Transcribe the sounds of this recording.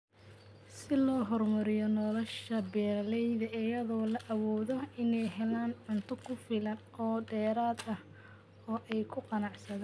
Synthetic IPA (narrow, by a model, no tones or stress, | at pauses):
sɪlɔːɦɔrmɐɾɪjɔnɔlɔʃɐbɛːlɛjðɐʔɪjɐðɔːlɐʔɐwɔːðɔɪnɛjɦɛlaːnʕʊnt̪ʰʊkʰʊfɪlɐn | ɔːɖɛːɾaːd̪ɐh | ɔːʔɛjkʰʊqɑnɑʕsɐðaː